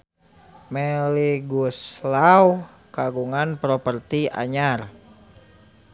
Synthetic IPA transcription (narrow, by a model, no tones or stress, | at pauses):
mɛliɡuslaw | kaɡuŋanpɾɔpərt̪ia̰ɲar